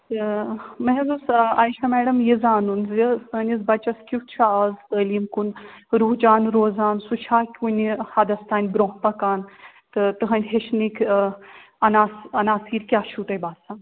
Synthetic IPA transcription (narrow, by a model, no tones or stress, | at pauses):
t̪ɨmɐɦzusaːjʃɐmɛːɖɐmjizaːnunzisənʲizbɐt͡ʃɐskʲut̪t͡ʃʰaaːzəːlimkunɾuːɦd͡ʒaːnɾoːzaːnsut͡ʃʰaːkʲunʲhɐd̪ɐst̪ʰaːnʲbɾoːɦpɐkaːn | t̪ɨt̪ɨɦɐnʲɦeʃnikʰ | ɐnaːsɐnaːsiːɾkʲjaːʃʰuʈɐjbaːd̪saːn